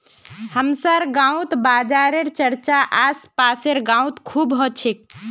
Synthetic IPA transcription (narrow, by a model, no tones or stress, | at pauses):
həmsəɾɡãũt̪bad͡ʒaɾeɾt͡ʃəɾt͡ʃaʔaspaseɾɡãwt̪kʰubɦɔt͡ʃʰek̚